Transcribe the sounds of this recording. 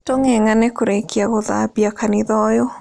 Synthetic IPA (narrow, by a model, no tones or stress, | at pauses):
toŋɛŋanɛkoɾekjaɣɔða̰biakanɪðɔjo